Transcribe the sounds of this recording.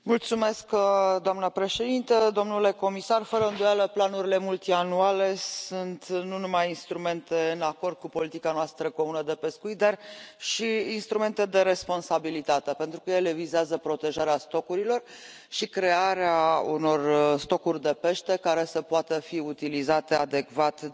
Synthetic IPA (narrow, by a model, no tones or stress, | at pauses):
mult̪sume̞skd̪oamnəpɾe̞ʃe̞d̪int̪əd̪o̞mnule̞ko̞misarfəɾəɨnd̪ojaləplanuɾile̞mult̪ianuale̞sunt̪nunumajinst̪ɾume̞nt̪e̞ɨnako̞rd̪̚kupo̞lit̪ikanoast̪ɾəko̞munəd̪e̞pe̞skuit̪̚d̪arʃiinst̪ɾume̞nt̪e̞d̪e̞ɾe̞spo̞nsabilit̪at̪e̞pe̞nt̪ɾukəjele̞vizeazəpɾo̞t̪e̞ʒaɾeast̪o̞kuɾilo̞r | ʃikɾe̞aɾeauno̞rst̪o̞kurʲd̪e̞pe̞ʃt̪e̞kaɾe̞səpoat̪əfiut̪ilizat̪e̞ad̪e̞ɡvat̪